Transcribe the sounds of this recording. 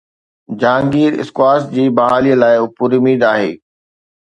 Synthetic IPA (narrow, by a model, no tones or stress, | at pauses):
d͡ʑãːŋɡiːɾɪ̰skwaːsd͡ʑiːbɐɦaːlijəlaːɪʊpuɾʊmiːd̪aːɦḛː